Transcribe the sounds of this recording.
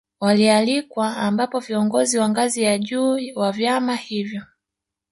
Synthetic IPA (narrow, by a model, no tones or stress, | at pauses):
walialikwaːmbapɔviɔŋɡɔziwaŋɡazijaʄuːwavjamahivjɔ